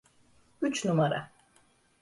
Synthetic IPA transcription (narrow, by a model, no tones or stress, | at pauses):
yt͡ʃnumaɾa̰